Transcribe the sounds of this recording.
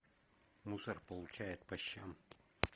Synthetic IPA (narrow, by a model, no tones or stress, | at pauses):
musərpəlˠʊt͡ɕæjɪt̪̚pɐɕːam